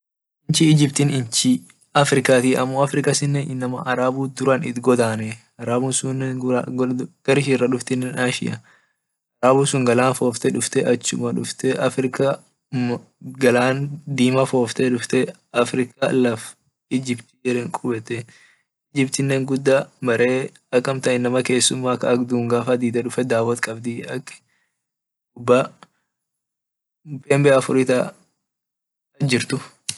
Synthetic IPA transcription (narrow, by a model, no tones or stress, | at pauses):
ʔɪnt͡ʃɪɪd͡ʒɪbt̪inɪnt͡ʃi | ɐfɾɪkaːt̪iːʔɐmːoːɐfɾɪkɐsɪnːenɪnːɐmɐ̰ʔɐɾaːbuːd̪ʊɾɐnɪt̪ɡɔd̪aːnɛ | ɐɾaːbuːsʊn | ɡ̥ɐɾɪʃirːɐᶑʊft̪ɪnːɛnaːʃɪ̰ʔɐ | ʔɐɾaːbuːsʊŋɡɐlaːnfo̞ːft̪ɛᶑʊft̪ɛʔɐt͡ʃːʊmɐᶑʊft̪ɛʔɐfɾɪka | ɡɐlaːnd̪iːmɐfoːft̪ɛᶑʊft̪ɛ | ɐfɾɪkalɐf | ɪd͡ʒɪbt̪ijɛɾɛŋkʼʊbɛt̪ːɛ | ɪd͡ʒɪbt̪ɪnːeːŋɡʊd̪ːamɐɾe̞ː | ɐkːɐmt̪ɐʔɪnːɐmɐke̞ːsːʊmːaːkɐɐkd̪uːŋɡaːfɐd̪iːd̪ɐᶑʊfɛd̪aːwɐt̪kʼɐbd̪ɪɐkː | ʊbːa | pʼeːmbɛɐfʊɾit̪ɐ | ɐd͡ʒɪɾt̪ʊ